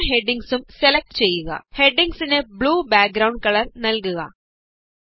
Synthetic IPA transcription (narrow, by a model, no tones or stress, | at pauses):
ɦeɖiŋɡsumselɐk̚ʈt͡ɕejːuɣɐ̰heɖiŋɡsinebɭuːbaːk̚ɡɾɐwɳɖ̚kɐɭɐrnɐlkuɣɐ̰